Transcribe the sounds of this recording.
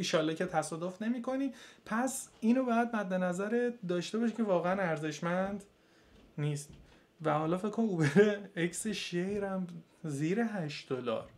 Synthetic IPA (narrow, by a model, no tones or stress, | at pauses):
iʃɒːlːecʰet̪ʰæsɒːd̪ofne̞miːkʰo̞niːpʰæsiːnobɒːjæd̪̚mæd̪ːe̞næzæɾed̪ɒːʃt̪e̞bɒːʃicʰe̞vɒːɣeænæɾze̞ʃmænd̪ | niːst̪ | væhɒːlɒːfe̞kʰːonubeɾeecseʃejɾæm | ziːɾeɦæʃtd̪olɒ̰ːɾ